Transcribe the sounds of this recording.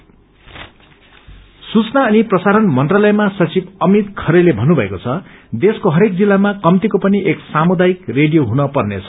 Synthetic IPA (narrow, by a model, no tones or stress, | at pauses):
sut͡snaʌniprʌsaɾʌnmʌnʈrʌlʌjmasʌt͡sibʌmit̪kʰʌɾelebʱʌnːubʱʌḛkot͡sʰʌd̪eskoɦʌɾek̚d͡zilːamakʌmt̪ikopʌniʔeksamud̪ajikreɽijoɦunʌpʌrnḛt͡sʰʌ